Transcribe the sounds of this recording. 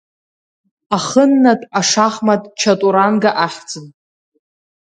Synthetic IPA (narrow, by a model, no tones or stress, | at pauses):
aχənːatʼaʂaχmatʼt͡ʃʰatʼuɾanɡaʔaχʲd͡zʼɨn